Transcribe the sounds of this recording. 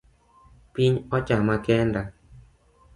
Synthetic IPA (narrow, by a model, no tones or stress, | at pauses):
piɲɔt͡ʃamakɛnda